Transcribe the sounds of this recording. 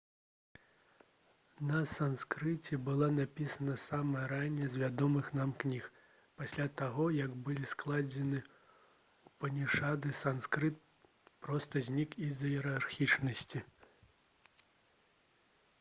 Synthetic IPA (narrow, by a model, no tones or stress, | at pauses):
nɐsanskɾɨt͡sʲɛbɨlˠanapʲisɐnɐsamɐɾanʲːɛzʲvʲad̪ɔmɨxnamknʲix | pasʲlʲat̪aɣɔjɐɡbɨlʲisklˠad͡zʲɛnɨ | upɐnʲiʂad̪ɨsanskɾɨt̪̚ | pɾɔst̪ɐzʲnʲikizɐjɛɾarxʲit͡ʂnɐsʲt͡sʲi